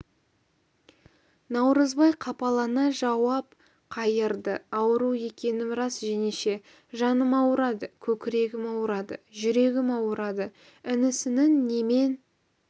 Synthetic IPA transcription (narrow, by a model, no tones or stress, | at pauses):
nɑwɾəzbɑjqʰɑpɑlˠɑnɑʒɑwɑp̚ | qʰɑjəɾd̪əɑwəɾue̞kʲe̞nɪmɾɑsʒene̞ʃe̞ | ʒɑnəmɑwɾɑd̪əkʲʰɵkʲɪɾe̞ɡʲɪmɑwɾɑd̪əʒʏɾe̞ɡʲɪmɑwəɾɑd̪ə | ɪnɪsɪnɪŋːe̞me̞n